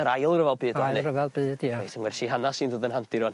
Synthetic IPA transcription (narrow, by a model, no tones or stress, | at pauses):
əɾajlˠrəvɛlˠbɨːdajlɨrəvɛlˠbɨːd̥iaesəŋwɛrʃiɦanasiːndoːdənɦantʰɪɾɔn